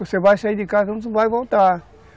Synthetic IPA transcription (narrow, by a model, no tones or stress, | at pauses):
osevajsaiɾd̪ɪkazɐũsvajvowt̪a